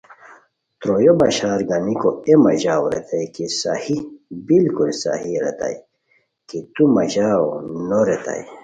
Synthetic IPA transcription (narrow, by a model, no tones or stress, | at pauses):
t̪ɾojobɐɕaːɾɡanikoemɐʑaːwɾḛt̪ʰajkisahibilkulsa̰hiɾet̪a̰j | kit̪umɐʑaːwonoɾet̪a̰j